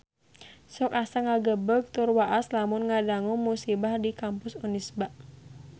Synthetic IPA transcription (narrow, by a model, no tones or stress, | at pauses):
sɔkasaŋaɡəbəɡ̚t̪ʊrwaʔaslamʊnŋadaŋʊŋmusibahdikampʊsunisbaʔ